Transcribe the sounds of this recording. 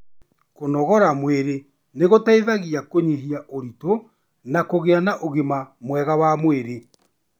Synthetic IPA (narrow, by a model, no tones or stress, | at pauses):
konɔɣɔɾamweɾe | neɣotaiðaɣiakoɲeɦiaʔoɾito | nakoɣeanaʔoɣemamwɛɣawamweɾe